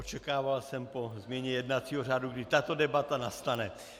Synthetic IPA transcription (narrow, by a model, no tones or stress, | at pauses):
ot͡ʃɛkaːvalsɛmpozmjɛɲɛjɛdnat͡siːɦor̝aːduɡdɪt̪at̪odɛbat̪anast̪anɛ